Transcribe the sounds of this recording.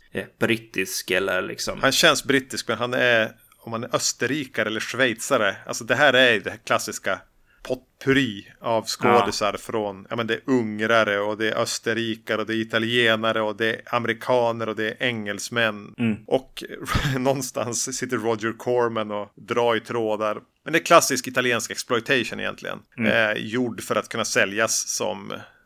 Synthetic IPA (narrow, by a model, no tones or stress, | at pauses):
b̥ɾɪt̪ːɪskɛlːə̰ɾlɪ̰ksɔ̰mhanɕɛnsbɾɪt̪ːɪskmɛnɦanæɾ | ɔmhanæɾʔœst̪əɾiːkaɾəɛlːəʂvɛjt̪saɾəa̰lsɔd̪ɛɦæːɾæɾjd̪ɛkʰlasːɪska | pʰɔt̪pʰʉɾiːavskoːd̪ɪsaɾfɾonjɑ̰ːmɛnd̪ɛæɾɵŋɾaɾəɔd̪ɛːʔœst̪əɾiːkaɾɔd̪ɛɪt̪alɪeːnaɾəɔd̪ɛːamɛɾɪkʰɑːnəɾɔd̪ɛʔɛŋːɛlsmɛnːʔɔknɔnːst̪a̰nsːɪt̪ːəɾːɔd͡ʒəɾkʰɔɾmɛnɔd̪ɾɑːɾɪt̪ʰɾoːd̪aɾ | mɛnd̪ɛæɾkʰlasːɪskɪt̪alɪeːnskɛksplɔɪt̪ʰɛɪʂʊnɪjɛ̰nt̪ʰlɪ̰ɡə̰njuɖːfœɾat̪kʰɵnːasɛljasːɔ̰m